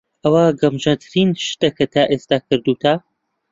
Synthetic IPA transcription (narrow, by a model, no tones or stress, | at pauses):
ʔɐwaɡɐmʒɐt̪ʰɨɾinʃt̪ɐkʰɐt̪ʰaːʔeːst̪aːkʰɨɾd̪uːt̪ʰa